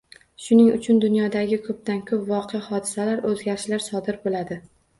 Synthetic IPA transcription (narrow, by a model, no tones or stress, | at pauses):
ʃʊnɪŋʊt͡ʃʰʊnd̪ʊnjɒd̪aɡʲɪkʰɵp̚t̪ankʰɵpvɒqʰejahɒd̪ɪsalaɾɵzɡʲaɾɪʃlaɾsɒd̪ɪɾbolad̪ɪ